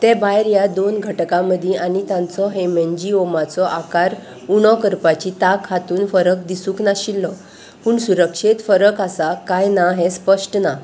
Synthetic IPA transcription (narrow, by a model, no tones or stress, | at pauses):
t̪ɛ̃bajɾjad̪onɡʱəʈkãməd̪ʱjiʔanit̪ãnt͡sɔɦemɛnd͡ʑiomat͡sɔʔakaɾ | uɽ̃ɔkəɾpat͡ɕit̪akɦat̪uːnfəɾəkd̪isũːknaɕilːɔ | puːɳsuɾəkʂet̪fəɾəkasakajnaɦɛ̃spəʂʈna